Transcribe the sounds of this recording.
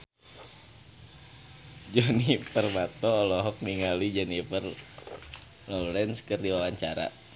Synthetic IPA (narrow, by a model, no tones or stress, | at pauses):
d͡ʒɔnipərmat̪ɔːlɔɦɔk̚niŋalid͡ʒɛnifər | lɔlɾɛnskərdiwawaɲt͡ʃaɾa̰